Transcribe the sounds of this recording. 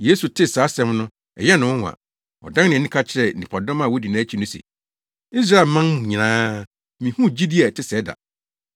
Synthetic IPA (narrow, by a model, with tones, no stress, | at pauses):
jeː˦su˨tʰɪ˦saː˨˦sɛ̃˦mnʊ̃˦ | ɛ̰˨jɛ˦nʊ̃˨˦wa̰˨ | ɔ̰˨dã˦nɪ̃˨nĩ˦kʰa˦t͡ɕʰɪ˦ɾɛ˨nĩ˨pʰa˨dɔ̃˦mã˨wɔ˦di˨nãː˨˦t͡ɕʰi˨˦nʊ̃˦sɛ̰˨ | i˦s̬ɾa˦e˨lmã˦nmũ˨ɲĩ˨ãː˦ | mĩ˨hũ˦d͡ʑi˦di˦a˨tʰɪ˦sɛ˨˦da̰˨